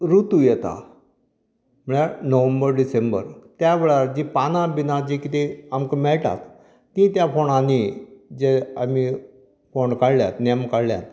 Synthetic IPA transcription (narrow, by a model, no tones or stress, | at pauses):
ɾut̪ujɛt̪a̰ | m̤əɭjanəʋəmbəɾɖisembə̰ɾt̪jaʋeɭaɾd͡ʑipanãbinad͡ʑikit̪eamkəmɛɭʈa̰t̪ː | ĩt̪jafoɽ̃ãnid͡ʑeami | foɳkaɽlja̰t̪nemkaɽlja̰t̪